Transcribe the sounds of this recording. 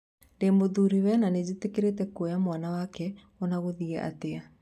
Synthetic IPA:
ndemoðuɾiwɛnaned͡ʑitekeɾetɛkojamwanawakɛ | onaɣoðiɛʔa̰tea

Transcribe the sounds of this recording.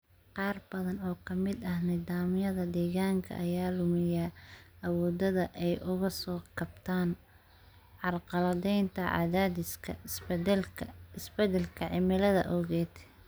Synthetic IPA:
qɑːrbɐðɐnɔːkʰɐmɪd̪ɐhnɪðaːmjɐðɐd̪ɛːɣaːŋkʰɐ̰ʔɐjaːlʊmɪjaɐwɔːd̪ɐðɐʔɛjʔʊɣɐsɔːkʰɐbt̪ʰaːn | ʕɑlqɑlɐðɛjnt̪ʰɐʕɑ̰ðaðɪ | ɪsbɛd̪ɛlkʰɐʕɪmɪlɐðɐ̰ʔɔɣɛːd̪

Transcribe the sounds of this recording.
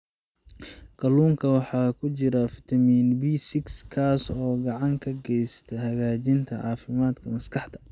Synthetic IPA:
kʰɐluːŋkʰɐwɑħɑːkʰʊt͡ʃɪɾɐfɪt̪ʰɐmiːnbiːsɪkskʰaːsɔːɡɑʕɑŋkʰɐɡɛjst̪ʰɐhɐɣaːt͡ʃɪnt̪ʰɐʕɑ̰ːfɪmaːd̪kʰɐmɐskʰɑħt̪ɐ̥

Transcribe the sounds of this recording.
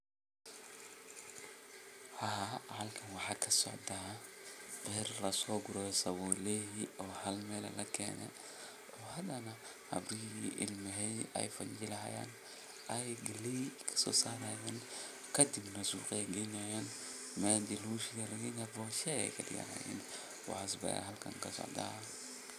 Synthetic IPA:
hɐhɐlkʰɐnwɑħɑːkʰɐsɔ̰ʕd̪ɐ | qɛrlɐsɔːɡʊɾɔsɐwɔlɛɦiɔːhɐlmɛːlɛ̰lɐkʰɛ̰ːnɛ̰ | ɔːhɐd̪ɐnɐ | hɐ̰bɾɪiːʔɪ̰lmɪɦɛjɛ̰jfɐɲɪlɐɦɐ̰ja̰ːn | ɛjɡɐlikʰɐ̥sɔ̰ːsaːɾajaːn | kʰɐd̪ɪbnɐsṵːqɛjɡɛjnajaːn | mɛd̪ɪluːʃɪɡɐlɐɣiːnɐbɔːʃɛɛ̰kʰɐd̪ɪ̰ja̰na̰jɛ̰n | wɑ̰ħas̬bɐ̰ja̰ɦɐlkʰɐ̰ŋkʰɐsɔ̰ʕd̪ɐ̰

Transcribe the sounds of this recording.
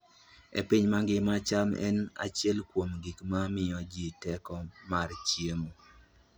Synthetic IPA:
ḛpiɲmaŋɡɪmat͡ʃamɛ̰na̰t͡ʃjɛlkwomɡikmamɪɔd͡ʒitɛkɔmart͡ʃjemo

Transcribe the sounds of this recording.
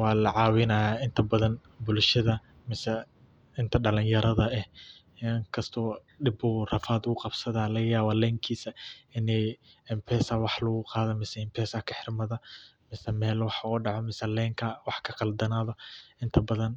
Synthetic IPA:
wɑːlɐʕɑːwɪnaːjaːʔɪnt̪ʰɐbɐðɐn | bʊlʃɐðɐ | mɪsɛ | ɪnt̪ʰɐɖɐlɪnjɐɾɐðɐɛh | ŋkʰɐst̪ʰɔː | ɖɪbuːrɐfaːd̪ʊɣʊqɑbsɐðaːlɐɣɐjaːβɐlɛːŋkʰiːsɐɪnɛjɪmpʰɛːsɐwɑħlɐɣʊqɑːðɔmɪsɛɪmpʰɛːsɐkʰɐħɪrmɐðɐmɪsɛmɛːlwɑħɔːɖɑʕɔmɪsɐlɛːŋkʰɐwɑħkʰɐqɑld̪ɐnaːðɔʔɪnt̪ʰɐbɐðɐn

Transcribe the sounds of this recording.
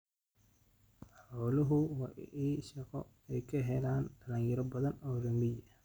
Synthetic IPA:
ħɔːlʊɦʊwɑiːʃɐqɔ | ɛjkʰɐɦɛlaːndɐlɐŋjɪɾɐbɐðɐnɔːrɐmɪj

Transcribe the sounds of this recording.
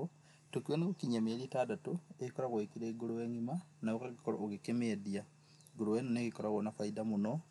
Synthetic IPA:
tukwenekokiɲamelitadatoeikoɾaɣoikiɾeɡuɾoweŋimanawokaɡikɾo̰oɣikemedia | ɡuɾowenonekikoɾaɣonafaidamuno

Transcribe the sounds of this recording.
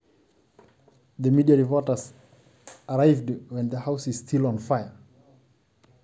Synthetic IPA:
ðəmidiaɹipɔtəs | əɹaɪvdwɛ̃nðəhaʊsɪz̥stʰilɔ̃nfaɪə

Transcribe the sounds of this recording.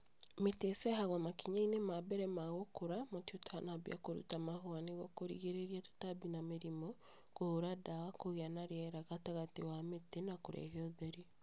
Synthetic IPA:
metesɛɦaɣamakiɲainemabɛɾɛmaɣokoɾamotiotʰanaβj̰a̰koɾṵtamaɦwaniɣɔkoɾḭɣeɾeɾiatu̥taβinameɾimɔ | kooɾadawakoɣeanaɾeɛɾaɣataɣatewametenakoɾɛ̰ɦeɔðɛɾi

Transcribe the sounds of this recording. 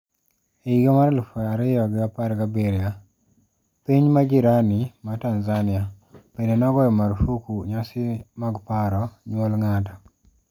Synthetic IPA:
eiɡemaɾlufɔaɾɪjɔɡɪapaɾɡabeɾɪja | piɲmaɡiɾanimatanzanɪa | penenaɡɔjɔmaɾfukuɲasɪmaɡpaɾɔɲwɔlŋata

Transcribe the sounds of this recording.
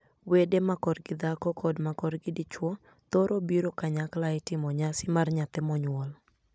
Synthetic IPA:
wedemakɔrɡɪd̪akɔkʰɔdmakɔrɡɪdɪt͡ʃwɔ | t̪oɾʔobiɾokaɲaklaɪtɪmɔɲasɪmarɲat̪ɛmɔɲwɔl

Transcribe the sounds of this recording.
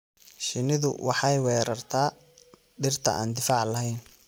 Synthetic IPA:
ʃɪnɪðʊ̰wʔɑħɑjwɛːɾɐrt̪ʰaː | ɖɪrt̪ʰɐ̰ʔa̰ːnd̪ɪfaːʕlɐɦɛjn

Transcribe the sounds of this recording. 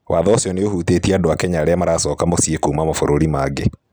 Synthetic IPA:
waːðɔsiɔneohuːtetieadoakɛɲaːɾeamaɾaːsɔːkamosiekuːmamafoɾoɾimaɡe

